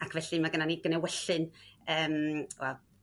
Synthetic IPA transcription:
akʰvɛɬɨmaɡənaniɡənɛwɛɬɨnəːmwɛlˠ

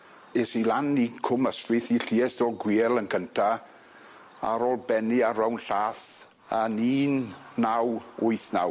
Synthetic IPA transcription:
esilanikʰʊməstwɨθiɬiːɛsd̥ɔlɡwiːɛlˠənkʰəntʰa | a̰ɾoːlˠbɛniaɾrawnɬaːθ | aniːnːawʊɨθna̰w

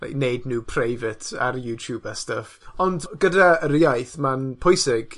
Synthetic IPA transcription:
la̰jknednuːpʰrajvɪtʰa̰ɾjuːtʰjuːbastəfɔndɡədaəɾjajθmanpʰɔjsɪɡ̥

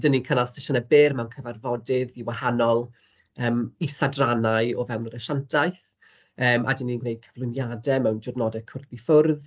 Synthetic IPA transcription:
dəninkʰənalˠstɪʃənəbɪːrmawnkʰəvarvɔdɪðiwahanɔlˠ | əːmisadranaɨɔvɛwnəɾəʃantʰajθ | əːmʔa̰dəninɡnejd̥̚kʰəvlˠʊnjadɛmɛwnd͡ʒʊdnɔdɛkʰʊrðifʊrð

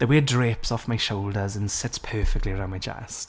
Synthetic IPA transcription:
ðəweːdɹepsɔfmaɪʃoʊlˠdəzə̃nsɪtspʰɜːˑfɪk̚tˡliəɹãʊ̃nmaɪd͡ʒɛ̰st

